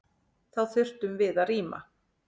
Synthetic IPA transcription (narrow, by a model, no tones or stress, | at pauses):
θawθʏr̥t̪ʏmvɪðariːma̰